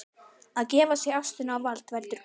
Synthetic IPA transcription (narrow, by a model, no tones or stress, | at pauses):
aðcɛːvasjɛɣafst̪ʏnawvalt̪vɛlt̪ʏɾ̥